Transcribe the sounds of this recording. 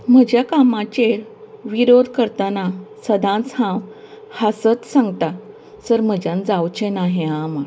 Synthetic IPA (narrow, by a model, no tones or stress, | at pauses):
m̤əd͡ʑjakamãt͡ɕeʋiɾod̪ʱkəɾt̪anasəd̪ʱãt͡shãw | hasət͡ssãŋɡt̪a | səɾm̤əd͡ʑãnd͡zawt͡ɕenaɦẽama